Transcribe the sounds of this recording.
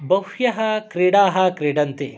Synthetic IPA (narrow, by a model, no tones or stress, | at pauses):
bɐwhjɐɦɐkɾeːɽaːɦɐkɾeːɖɐnt̪e